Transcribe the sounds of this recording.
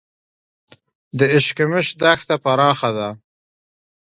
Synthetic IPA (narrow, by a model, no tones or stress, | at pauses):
d̪əɪʃkɪmɪʃd̪axt̪apaɾɑːxad̪a